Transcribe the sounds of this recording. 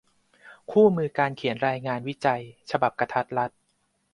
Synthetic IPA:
kʰuː˥˩mɯː˧kaː˧nkʰi˨˩˦ənɾaː˧jŋaː˧nwi˦˥t͡ɕa˧jt͡ɕʰa˧ba˨˩p̚kɾa˧t̪ʰa˦˥t̪̚ɾa˦˥t̪̚

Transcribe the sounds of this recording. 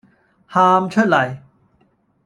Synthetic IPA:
haː˧mt͡ɕʰo˥˩t̪la˨˩j

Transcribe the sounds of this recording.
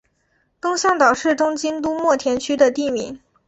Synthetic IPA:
t̪ʊ˥ŋɕjɑ˥˩ŋt̪ɑ˨˩ʊʂɻ̩˥˩ʈ͡ʂʊ˥ŋt͡ɕi˥nt̪u˥mwɔ˥˩t̪ʰjɛ˧˥nt͡ɕʰy˥d̪ə˨t̪i˥˩mi˨˩˥ŋ

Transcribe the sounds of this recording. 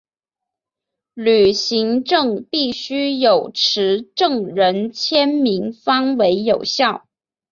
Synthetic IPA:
ly˨˩ɕi˧˥ŋʈ͡ʂɤ˥˧ŋpi˥˩ɕy˥jo˨˩ʊʈ͡ʂʰɻ̩˧˥ʈ͡ʂɤ˥˩ŋɻə˧˥nt͡ɕʰjɛ˥nmi˧˥ŋfɑ˥ŋwe˧˥ɪjo˨˩ʊɕjɑ˥˩ʊ

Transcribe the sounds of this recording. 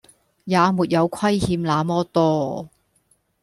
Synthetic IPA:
jaː˨˧muː˨t̚jɐ˨˧wkʰwɐ˥jhiː˨˧mlaː˨˧mɔː˥t̪ɔː˧

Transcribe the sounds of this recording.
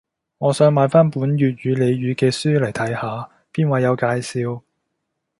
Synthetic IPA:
ŋɔː˨˧sœː˨˧ŋmaː˨˧nfaː˥npuː˨˥nɥyː˨t̚ɥyː˨˧le˨˧jɥyː˨˧˥kɛː˧syː˥lɐ˨˩jt̪ʰɐ˨˥jhaː˨˧ | piː˥nwɐ˨˧jɐ˨˧wkaː˧jsiː˧w

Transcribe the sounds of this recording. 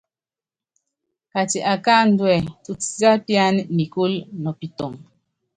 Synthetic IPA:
ka˨ti˨ʔa˨ka˦n̩˦dwɛ˨tu˦t͡si˨˦t͡sa˦pja˦n˨ni˨ku˦lnɔ˨pi˨tɔ˨ŋ

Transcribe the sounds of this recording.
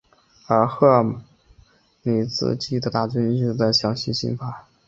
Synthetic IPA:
ə˞˧˥xɤ˥˩ | ni˨˩t͡sɹ̩̰˧˩t͡ɕi˥˩d̪ə˨˩t̪a˥˩t͡ɕy˥ny˥˩d̪ə˥˩ɕjɑ˨˧˥ŋɕi˧˥˩ɕḭ˥ŋfa˧˥

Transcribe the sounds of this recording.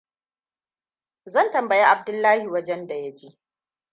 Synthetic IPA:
zɐ˦˨ntɐ˨mbɐ˨ja˦ʔa˨b̚dʊ˦lːaː˦hi˨wɐ˦d͡ʒɛ˦nda˨ja˦d͡ʒi˦ʔ

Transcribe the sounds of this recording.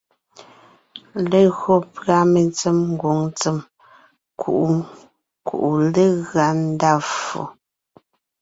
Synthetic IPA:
le˦ɣo˦pɰa˦me˨nt͡se˦mŋ̩˦ɡwo˨˦ŋt͡se˦m | kʰṵ˨ʔu˨˦ | kṵ˨ʔu˨le˦ɣɰa˨˦n̩˦da˦fo̰˨

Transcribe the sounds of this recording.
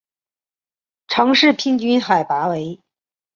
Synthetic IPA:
ʈ͡ʂʰɑ˧˥ŋʂɻ̩˥˩pʰi˥ŋt͡ɕy˥nxa˨˩ɪpa˧˥we˧˥ɪ

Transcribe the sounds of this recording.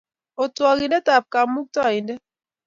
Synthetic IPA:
o˨twɔ˨ɡi˨ndɛ˦ta˨p̚ka˨mu˦k̚tɔ˦˨i˨ndɛ˦

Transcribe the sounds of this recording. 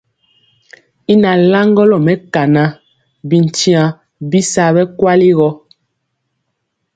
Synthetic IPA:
i˦na˨la˦ŋɡɔ˦lɔ˨mɛ˨ka˨na˦ | bi˨n˨ti˦ã˨ | bi˦sa˨bɛ˦kwa˦li˦ɣɔ˦

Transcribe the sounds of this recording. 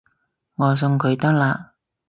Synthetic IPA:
ŋɔː˨˧s̬ɵ˧ŋkʰɵ˨˧ɥt̪ɐ˥k̚laː˧

